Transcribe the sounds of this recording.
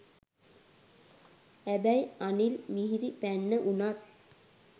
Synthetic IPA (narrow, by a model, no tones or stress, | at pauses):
æbæjanilmiɦiɾipænːəʔunat̪̚